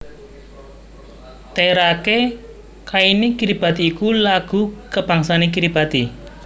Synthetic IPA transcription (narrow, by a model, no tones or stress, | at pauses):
t̪eɾake | kainikiɾib̥a̤t̪iːkulaɡ̥ukəb̥a̤ŋsanek̬iɾib̥a̤t̪i